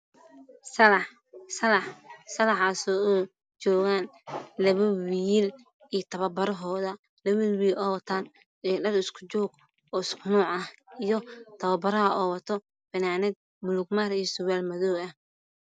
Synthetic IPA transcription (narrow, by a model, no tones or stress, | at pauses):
sɐlɑ | sɐlɑħsɐlɑħaːsɔːɔ | t͡ʃɔːɣaːnlɐβɐwiːl | ijt̪ʰɐβɐbɐɾɔɦɔːðɐ | lɐβilwiːlʔɔːwt̪ʰan | ɛːɖɐɾɪskʰʊ̥t͡ʃɔːɡ | ɔːɪskʰʊnɔːʕɐijɔt̪ʰɐβɐbɐɾɐhɐʔɔwɐt̪ʰɔ | bɛnaːnɛd̪̚ | mʊlʊɡ̚maːɾijɔsʊwɛlmɐðɔːɐh